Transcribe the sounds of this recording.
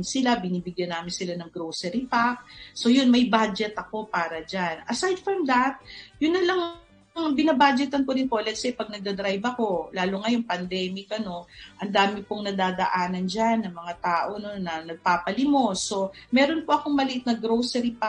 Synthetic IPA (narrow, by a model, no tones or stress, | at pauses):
nsɪlabɪniːbɪɡjɐnaːmɪnsɪlanɐŋɡɾowsɛɾipak̚so̞jʊnmɐjbad͡ʒɛt̪ɐko̞paːɾɐd͡ʒanɐsajd̪̚fɹɐmd̪ɐt̪̚jʊnːɐlɐŋ | ŋbɪnabaːd͡ʒɛt̪ɐnkoɾɪnpo̞lɛɡsɛpɐɡ̚nɐɡ̚d̪ɐd̪ɾajvɐko̞laːloŋɐjoŋpɐnd̪ɛːmɪkɐno̞ʔɐnd̪aːmɪpoŋnɐd̪aːd̪ɐ̰ʔaːnɐnd͡ʒanːɐŋmɐŋat̪aːʔo̞nonːɐnɐɡ̚paːpɐlɪmo̞so̞mɛːɾo̞npoʔɐko̞ŋmɐlɪʔɪt̪̚nɐɡɾowsɛɾipa